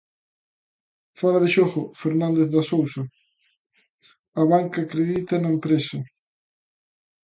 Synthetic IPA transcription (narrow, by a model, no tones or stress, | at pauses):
faɾɐðɪʃɔɣʊfeɾnãnd̪eθðɐsowsɐ | ɐβaŋkɐːkɾeðit̪ɐnɐempɾesɐ